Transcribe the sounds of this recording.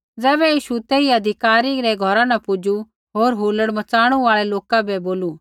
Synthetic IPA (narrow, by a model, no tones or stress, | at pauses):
d͡zɛːbɛjiːʃut̪eːiɐd̪ʱɪkaːɾiɾɛɡʱɔɾãnɐpʊd͡ʒu | ɦoːɾɦuːləɽmɐt͡saːɽ̃uaːɭɛloːkabɛboːlu